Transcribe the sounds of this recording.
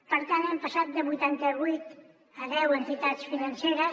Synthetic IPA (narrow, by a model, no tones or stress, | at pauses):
pəɾt̪anempəsat̪̚d̪əβut̪ant̪əβujt̪ | əðɛwənt̪it̪at͡sfinanseɾə